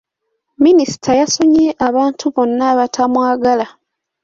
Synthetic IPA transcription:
minisi̥tʰajasoɲeʔaβaːntʰuβo̞nːaːβatʰamwaːɡala

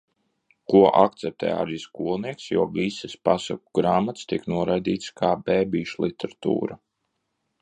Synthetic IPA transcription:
kuɔʔa̰kt̪sɛp̚t̪ʰɛ̰ːa̰ɾiːskuːlˠniɛksjuɔɡisɛspasa̰kuɡɾaːmat̪st̪iknuɔɾajd̪iːt̪skʰaːbɛːbiːʃlˠit̪ʰɛɾat̪ṵːɾa

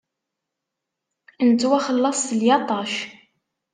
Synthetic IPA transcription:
nt̪ːwæχəlːɑsˤθəljɑt̪ˤɑʃ

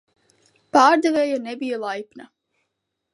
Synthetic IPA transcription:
paːɾd̪ɛveːjanɛbijalˠajpna

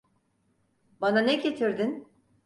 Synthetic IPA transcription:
bananɛɟet̪ʰiɾd̪in

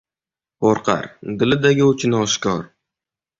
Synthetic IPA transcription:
poɾqʰɑ̰ɾd̪ɪlɪd̪aɡʲɪʊt͡ʃʰɪnɒʃkʲɒɾ

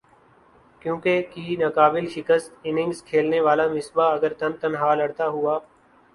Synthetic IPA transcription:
kjõːkekiɦinəkaːbɪlʃɪkəst̪ɪnɪ̃ŋɡskʰeːlneʋaːlamɪsbaɐɡəɾt̪ənt̪ənɦaːləɽt̪aɦʊaː

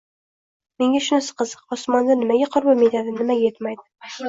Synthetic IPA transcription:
me̞ŋʲaʃʊnɪsɨ̥qɨzɨqɒsmɒnd̪anɪmaɡʲaqʰʊɾbamet̪ʰad̪ɪnɪmajet̪majd̪ɪ̥

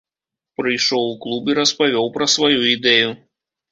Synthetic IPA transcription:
pɾɨjʂɔwuklˠubiɾɐspavʲɔwpɾɐsvajuid̪ɛju

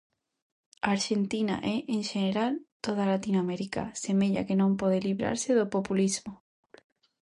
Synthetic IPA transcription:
aːɾʃent̪ina̰ʔɛʔeŋʃeneɾalt̪oðalat̪inoameɾika̰semeʎa̰kenõmpɔðeliβɾa̰ɾseðopopulizmʊ

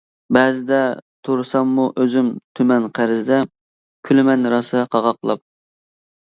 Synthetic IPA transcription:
bɛːzɪd̪ɛt̪ʰuɾsɑmːuʔøzymt̪ʰymɛnqʰæɾzɪd̪ɛ | kʲʰylɪmɛnɾɑsqʰɑʁɑqlˠɑ̰p̚

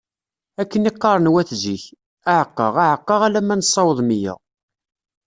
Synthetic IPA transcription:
ækːəniqːɑɾˤənwæθziç | aʕəqːəʁaʕəqːɑʁælæmænsˤːɑwəðˤmijæ̰

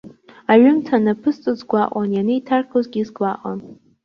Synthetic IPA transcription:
aɥʊmtʰanapʰɨst͡sʼɨzɡʷaʔʷʼanjaneitʰarkʰozɡʲizɡlaʔʼa̰n

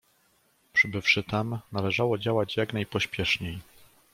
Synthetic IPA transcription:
pʂɘbɘfʂɘt̪amnalɛʐawɔd͡ʑawad͡ʑjaknajpɔɕpʲjɛʂɲej

